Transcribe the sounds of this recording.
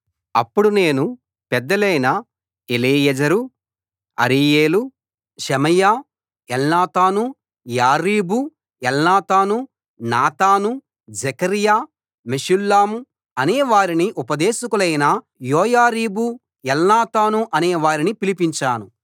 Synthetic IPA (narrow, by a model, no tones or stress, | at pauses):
ɐpːuɽune̞ːnu | pɛd̪ːɐlɐjnɐ | eliːjɐd͡ʒɐɾu | ɐ̰ɾiːjeːlu | ʃɛmɐjaː | ɛlnaːt̪aːnu | jaːɾiːbu | ɛlnaːt̪aːnu | naːt̪aːnu | d͡ʒɛkɐɾijaː | meʃulːaːmu | ɐnɛːʋaːɾiniʔupɐd̪eːʃɐkulɐjnɐ | joːjaːɾiːbu | ɛlnaːt̪aːnuʔɐnɛːʋaːɾinipilipiɲt͡ʃaːnu